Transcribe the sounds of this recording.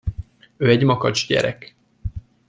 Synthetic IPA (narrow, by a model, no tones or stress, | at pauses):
øːɛɟmɒkɒt͡ʃɟɛ̰ɾɛk